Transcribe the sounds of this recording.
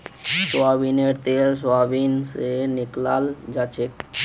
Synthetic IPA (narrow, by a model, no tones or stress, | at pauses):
sabineɾt̪els̬abinsenɪklald͡ʒat͡ʃʰek